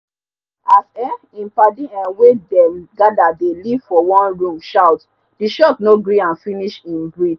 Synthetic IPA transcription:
asɛ | ĩnpadĩãnwedɛɡadadeliv̥fɔwɔ̃nɹũmʃawt | diʃɔtnoɡɹiãnfĩniʃĩnbɹi

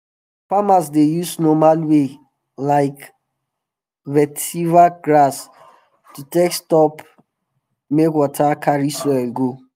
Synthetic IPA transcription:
famas̬dejusnɔmalwe | laɪk | vɛtivaɡɹas | tutekstɔp | mekwɔtʰakaɹisɔlɡo

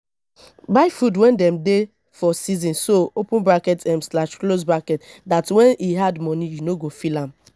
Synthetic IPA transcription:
baɪfudwɛ̃ndɛmde | fɔsizɔ̃nssoopʊ̃nbakɛtɛ̃mslaʃklos̬bakɛtdatwɛ̃niɦadmɔnijunoɡofilãm̩

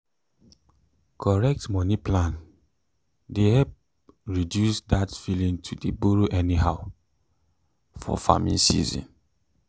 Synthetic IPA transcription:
kʰɔɹɛk̚tmɔniplãn | dehɛp̚ | ɹidjusdatfilĩŋtʰudəbuɹoʔɛnihaʊ | fɔ̰fa̰mḭ̃nsḭzɔ̰̃n

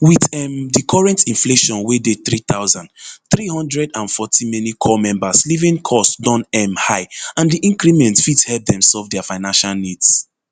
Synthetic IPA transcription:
wiðɛmdikʰɔɹɛ̃ntĩnfleʃɔ̃nwedeθɹit̪aʊzãndθɹihɔ̃ndɹɛdãnfɔtʰĩmɛnikʰɔmɛ̃mbaslivĩnkʰɔsdɔ̃nɛmhaɪãndiʔĩŋɡɹimɛ̃ntfithɛlp̚dɛ̃msɔlvdɛafaɪnãnʃalnids

